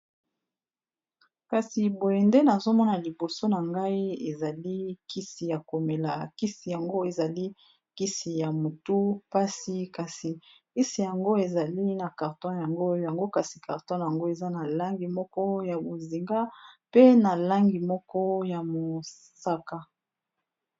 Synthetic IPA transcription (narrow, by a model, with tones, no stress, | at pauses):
ka˨si˨bo˨je˨nde˦na˨zo˦mɔ˦na˨li˨bo˨so˦na˨ŋɡa˦i˦e˨za˨li˦ki˦si˨ja˨ko˨me˨la˨ki˦si˨ja˨ŋɡo˦e˨za˨li˦ | ki˦si˨ja˨mo˨tu˦pa˦si˨ka˨si˨ | ki˦si˨ja˨ŋɡo˦e˨za˨li˦na˨ka˨ʁtɔ̃˦ja˨ŋɡo˦jja˨ŋɡo˦ka˨si˨ka˨ʁtɔ̃˦na˨ja˨ŋɡo˦e˨za˦na˨la˦ŋɡi˨mɔ˦kɔ˦ja˨bo˨zi˨ŋɡa˦pe˦na˨la˦ŋɡi˨mɔ˦kɔ˦ja˨mo˨ | sa˦ka˦